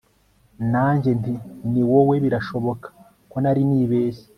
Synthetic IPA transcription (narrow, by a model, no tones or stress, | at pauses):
naːɲɟe̞ntiniwoweβiɾaʃo̞βo̞kḁ | ko̞naɾiniːβeːse̥